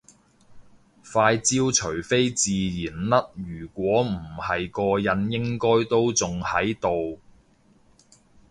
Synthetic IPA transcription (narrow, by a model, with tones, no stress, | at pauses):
faː˧jt͡siː˥wt͡ʃʰɵ˨˩ɥfe˥jt͡siː˨jiː˨˩nlɐ˥t̚jyː˨˩kʷɔː˨˥m̩˨˩hɐ˨jkɔː˧jɐ˨˧njɪ˥ŋkɔː˥jt̪o˥wt͡sʊ˨ŋhɐ˨˥jt̪o˨w